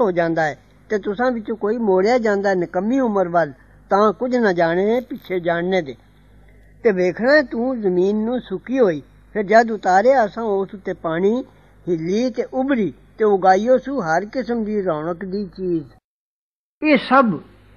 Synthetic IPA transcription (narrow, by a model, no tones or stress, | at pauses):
ɦoːd͡ʒãːnd̪aːɛː | t̪eːt̪ʊsãːbɪt͡ʃõːkoːiːmoːɽejaːd͡ʒãːnd̪aːɛnəkəmːiːʊməɾʋəl | t̪ãːkʊd͡ʒnəd͡ʒaːɽ̃ẽːpɪt͡ʃʰeːd͡ʒaːɽneːd̪eː | t̪eːʋeːkʰnaːɛːt̪ũːzəmiːnːũːsʊkiːɦoːiː | pʰɪɾd͡ʒaːd̪ʊt̪aːɾeːəsãːoːsʊt̪ːeːpaːɽ̃iː | hɪlːiːt̪eːʔʊbɾiː | t̪eːʊɡaːiːoːsũːɦəɾkɪsəmd̪iːɾaːɳ̃əkd̪iːt͡ʃiːz | eːsəb